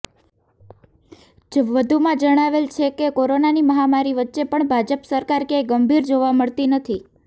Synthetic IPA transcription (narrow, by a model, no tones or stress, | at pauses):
d͡ʒʋəd̪ʱumãd͡ʒəɽ̃aʋelt͡ʃʰekekoɾonaniməɦamaɾiʋətːʃepəɳbʱad͡ʒəpsəɾkaɾkeɡəmbʱiɾd͡ʒoʋaməɭt̪inət̪ʰi